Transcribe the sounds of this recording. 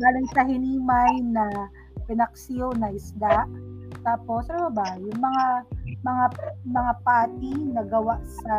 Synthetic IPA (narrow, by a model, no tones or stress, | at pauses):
ɡaːlɪŋsɐɦɪniːmajnɐ | pɪnɐk̚sɪjonɐʔɪsd̪aʔt̪aːpo̞sɾɐmɐbajʊŋmɐŋamɐŋamɐŋapaːt̪inɐɡɐwaʔsɐ